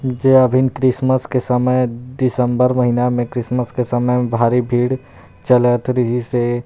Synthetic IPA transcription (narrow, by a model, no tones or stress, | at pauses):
d͡ʒeəbʱɪnkɾɪsməskesəməjd̪ɪsə̃mbəɾməɦinamẽkɾɪsməskesəməbʱaːɾibʱiːɽ | t͡ʃələt̪ɾɪɦise